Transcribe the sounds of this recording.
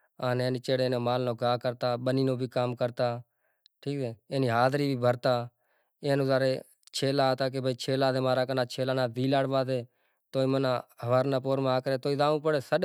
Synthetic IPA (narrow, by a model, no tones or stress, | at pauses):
aːneːniːt͡ʃeːɽeːnõːmaːlnõːɡaːkəɾt̪aːɓəniːnõːbʱiːkaːmkəɾt̪aː | ʈʰiːkseːeːniːɦaːd̪ɾiːbʱiːbʱəɾt̪aː | ẽːnũːzaːɾeː | t͡ʃʰeːlaːt̪aːk̬ebʱiːt͡ʃʰeːlaːd̪eːmaːɾaːkənaːt͡ʃʰeːlaːnaːd̪iːlaːɽʋaːd̪eː | t̪oːiːmənãːəʋəɾnãːpoːɾmaːkəɾeːt̪oːiːd̪aːũːpəɽeːsəɗ